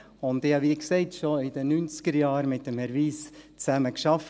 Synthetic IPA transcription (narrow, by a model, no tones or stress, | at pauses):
ʊnd̪ɪhɑʋikseɪtʃoɪd̥̪ənynt͡sɡ̥əɾjɑːɾmɪt̚d̥ɛmhɛɾʋiːst͡sæməkʃɑf